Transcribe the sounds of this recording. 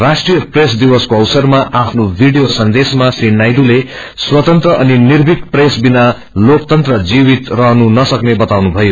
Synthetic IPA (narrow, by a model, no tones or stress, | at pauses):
rasʈrijʌpresd̪iwʌskoʌwsʌrmaʔapʰnobʱiɖijosʌnd̪esmasrinajɖule | swʌt̪ʌnt̪rʌʔʌninirbʱikpresbina | lok̚t̪ʌnt̪rʌd͡zibit̪rʌɦnunʌsʌknebʌt̪awnubʱʌjo